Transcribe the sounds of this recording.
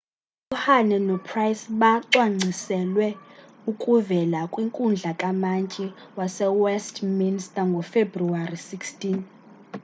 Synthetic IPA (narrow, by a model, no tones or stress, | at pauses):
uhanɛnɔpʰrajsɓaǀwaŋ͡ǀʱisɛlwɛ | ukʼuvɛlakʼwiŋkʼund͡ɮʱakʼamant͡ʃʼɛwasɛwɛstʰminstʼaŋɡʱɔfebruarisikstʰʼin